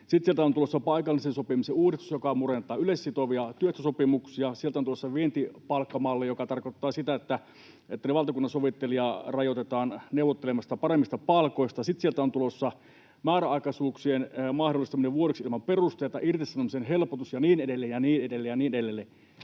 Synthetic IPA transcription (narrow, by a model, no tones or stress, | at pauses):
sit̪sielt̪æont̪ulosːɑpɑikɑlːˑisensopimiseuːrist̪usjokɑmurent̪ˑɑːylesːit̪oʋiɑt̪yøst̪æsopimuksiɑsielt̪æonulosːɑʋient̪ipɑlkːɑmɑːlːejokɑt̪ɑrkot̪ːɑːsit̪æet̪ːæ | et̪ːæneʋɑlt̪ɑkunːɑnsoʋit̪ːeliɑrɑjot̪et̪ɑːnneuwʋot̪ːelemɑst̪ɑpɑremːist̪ɑpɑlkoist̪ɑsit̪sielt̪æont̪ulosːɑ | mæːɾæɑˑikɑsuːksienmɑhdolist̪ɑmineʋʋuoɾeksilmɑmperust̪eˑt̪ɑ̰ʔirt̪isːɑnomisenɦelpot̪usjɑniːnedelːejjɑniːnedelːejɑniːneɾelːelːe